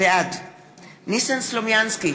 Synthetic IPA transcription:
ead | nisanslomjanski

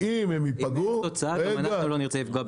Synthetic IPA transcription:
imemipaɡuot͡saaaemanɡaχnuloniʁt͡selifɡoa

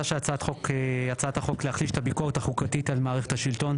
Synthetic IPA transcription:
aʃejat͡sat̪χokjat͡sat̪aχo̞kleaχliʃet̪ʰabikoʁetaχukatitalmaːʁeχe̞thaʃilto̞n

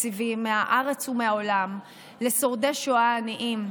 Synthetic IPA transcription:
ivimeaʔaʁet͡shumeaolam | le̞so̞ʁd̪eʃoaːniʔim

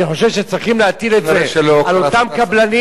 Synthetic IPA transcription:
niχo̞ʃevʃet͡sʁiχimleat̪idet̪zeelalot̪amkablani

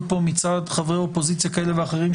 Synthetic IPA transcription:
po̞mit͡sad̪χavʁeo̞pozit͡sjakaele̞veaχeʁim

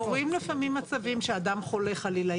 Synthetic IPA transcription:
oʁimlifamimat͡savimʃead̪amχo̞le̞χalila

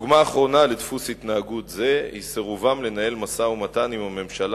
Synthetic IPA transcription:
ɡmaːχʁo̞naledfusitnaːɡutze̞hḭseʁuvamle̞nae̞lmasaumatanimame̞mʃala

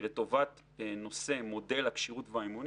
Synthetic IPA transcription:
let̪o̞vat̪ | beno̞se̞mo̞de̞lhakʃiʁutveaimun

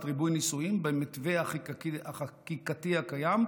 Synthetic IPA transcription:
tʁibujnisuimbemit̪veaχaakikat̪iakajam

